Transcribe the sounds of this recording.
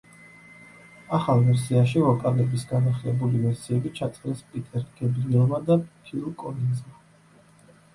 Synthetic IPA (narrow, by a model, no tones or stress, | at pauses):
aχalˠvɛɾsiaʃivɔkʼalɛbisɡanaχlɛbulivɛɾsiɛbit͡ʃʰat̪sʼɾɛspʼit̪ʼɛɾɡ̥ɛbɾiɛlˠmad̪apʰilˠkʼɔlinzma